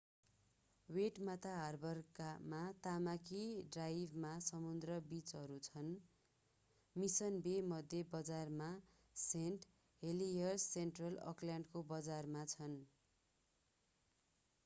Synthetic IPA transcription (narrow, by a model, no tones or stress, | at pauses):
weʈmat̪aɦʌrbʌrkamat̪amakiɖrajbʱmasʌmund̪rʌbit͡sɦʌɾut͡sʰʌn | misʌnbemʌd̪ʱjebʌd͡zarma | senʈ | ɦelijʌrseɳʈrʌlʌ̰klaɳɖkobʌd͡zarmat͡sʰʌn